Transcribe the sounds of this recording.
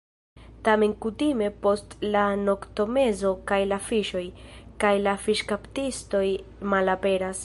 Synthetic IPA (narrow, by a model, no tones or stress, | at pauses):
tame̞nkutime̞po̞stlano̞kto̞me̞zo̞kajlafiʃo̞jkajlafiʃkaptisto̞jmalape̞ɾas